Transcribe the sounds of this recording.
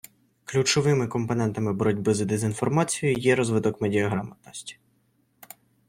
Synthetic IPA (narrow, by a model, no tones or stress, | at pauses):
klʲut͡ʃɔʋɪmɪkɔmpɔnɛnt̪ɐmɪbɔɾɔdʲbɪzɐd̪ezʲinfɔrmɑt͡sʲijʊjɛɾɔzʋɪd̪ɔkmedʲiɐɦɾɑmɐt̪̚nɔsʲtʲi̥